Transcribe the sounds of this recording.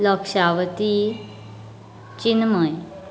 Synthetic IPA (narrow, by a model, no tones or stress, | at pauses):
lɔkʂaʋt̪i | t͡ɕinməj